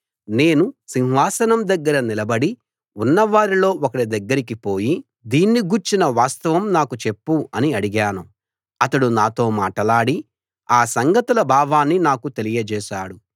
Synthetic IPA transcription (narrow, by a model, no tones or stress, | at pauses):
ne̞ːnusinʋaːsɐnɐmd̪ɐɡːɐɾɐnilɐbɐɽi | unːɐʋaːɾilo̞ːɔkɐɽid̪ɐɡːɐɾikipo̞ːji | d̪iːnːiɡuːɾt͡ʃinɐʋaːst̪ɐʋɐmnaːkut͡ʃe̞pːuɐniɐɽiɡaːnu | ɐt̪ɐɽunaːt̪o̞ːmaːʈɐlaːɽi | aːsɐŋɡɐt̪ulɐbʱaːbaːnːinaːkut̪e̞lijɐd͡ʒɛːʃaːɽu